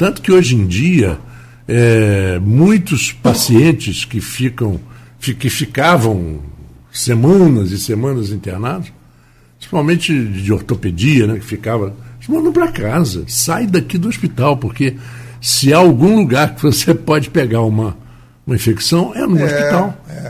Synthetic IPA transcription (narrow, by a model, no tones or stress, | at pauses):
t̪ɐ̃nt̪ʊ̥kɪoʒẽj̃d͡ʒiɐ | ɛmũj̃t̪ʊspasiẽnt͡ʃɪskɪfikɐ̃w̃ | fkɪfikavɐ̃w̃ | semɐ̃nɐzɪsemɐ̃nɐzĩt̪eɾnad̪ɐs | ppɾɾĩsi̥pawmẽnt͡ʃɪd͡ʒɪoɾt̪oped͡ʒiɐnɛkɪ̥fikavɐ̃smɐ̃nɐ̃pɾɐkazɐ̰sajd̪akid̪ʊospit̪awpoɾke | sɪaːawɡũluɡaɾkɪvosepɔd͡ʒɪpeɡaɾũmɐ | ũmɐĩfeksɐ̃w̃ɛ̰nũospit̪awɛ